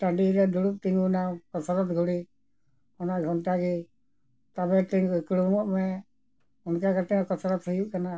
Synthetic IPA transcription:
ʈaɖiɾɛd̪uɽup̚t̪iŋɡunakɔsɾɔt̪ɡʱuɽi | ɔnaʔɡʱɔnʈaɡi | t̪abɛt̪iŋɡuikɽumɔʔmɛ | ɔnkakaʈɛmɛkɔsɾət̪ɦujuʔkana

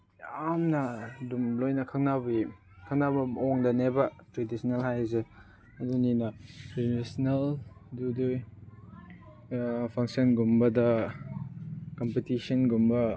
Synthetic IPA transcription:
amnɐdumlojnɐkʰɐk̚nabi | kʰɐk̚nabɐoŋdɐnebɐtɾedisnelhajze | ɐduninɐɾedisneldudu | pʰaŋsɐnɡumbɐdɐ | kɔmpetisɔnɡumbɐ

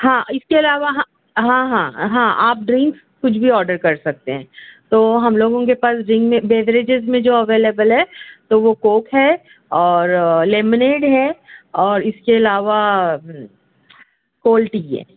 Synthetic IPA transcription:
ɦãːɪskeɐlaːʋaɦ | ɦãːɦãːɦãːʔaːp̚ɖɾɪ̃ŋks | kʊt͡ʃʰbʱiɔːɾɖəɾkɐɾsɐk̚t̪eɦɛ̃ːt̪oːɦɐmloːɡõkepaːsɾɪ̃ŋɡmẽbeːʋɾed͡ʒɪzmẽd͡ʒoːɐʋeːleːbəlɦɛːt̪oʋokoːkɦɛ | ɔːɾleːmɪneːɖɦɛɔːɾɪskeɐlaːʋa | koːlʈiɦɛ̰ː

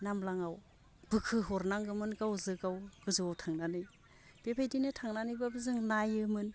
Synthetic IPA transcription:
namlaŋaw | b̥ɯkʰɯɦɔɾnaŋɡɯmɯnɡawzɯɡawɡɯzotʰaŋnanɯj | b̥epʰajdinɯtʰaŋnanɯjbabɯzɯŋnajɯmɯn

